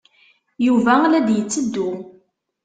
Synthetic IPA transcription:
juvælæd̪jət͡sːəd̪ːu

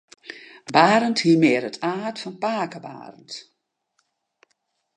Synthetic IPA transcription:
baːɾənthiːmeːɾətʰaːtfɔnpaːkəba̰ːrənt

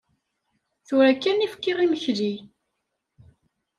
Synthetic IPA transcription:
θʊɾækːænifkːɪʁiməçli

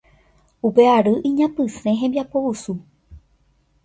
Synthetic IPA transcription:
upe̞aɾɨʔĩɲãpɨsẽɦẽmbjapousu

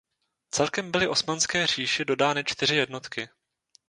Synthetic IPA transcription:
t͡sɛlkɛmbɪlɪʔo̞smanskɛːr̝̥iːʃɪdo̞daːnɪt͡ʃt̪ɪr̝ɪjɛdno̞t̪kɪ

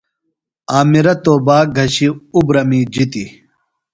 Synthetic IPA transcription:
aːmiɾɐt̪oːbaːɡʱɐɕiubɾɐmiːd͡ʑit̪i

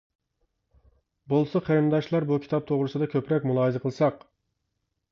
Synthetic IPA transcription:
bolˠsɑqʰeɾmd̪ɑʃlˠɑɾbukʲʰi̥t̪ʰɑp̚t̪ʰoʁɾɨsɨd̪ɑkʲʰøpɾɛkʲmulˠɑːɨzɨqʰəlˠɨsɑq

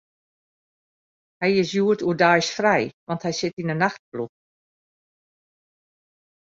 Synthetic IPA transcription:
hɛjɪsjuətuədajsfrɛjʋɑnthɛjsɪtinənːaxt̚plux

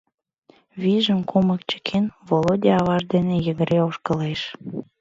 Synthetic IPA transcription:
βiʒəmkuməkt͡ɕə̥kʰenvolod̪ʲiɑβɑʒd̪enejəɣəɾeoʃkəleʃ

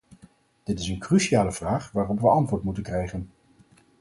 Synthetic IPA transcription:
d̥ɪtɪsənkryʃijaːləv̥raːχʋaːrɔpʋəɑntʋʊːɹtmutənkrɛjχən

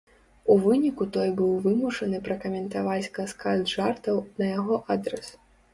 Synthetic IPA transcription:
uvɨnʲikut̪ɔjbɨwvɨmuʂɐnɨpɾɐkɐmʲɛnt̪avat͡sʲkɐskalʲd̪ʐart̪ɐwnɐjaɣɔʔad̪ɾɛs

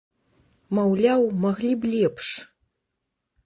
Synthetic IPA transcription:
mɐwlʲawmɐɣlʲiblʲɛpʂ

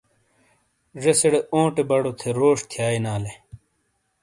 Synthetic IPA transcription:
ʐeseɽeõːʈebɐɽot̪ʰeɾoːʂt̪ʰjaːinaːle

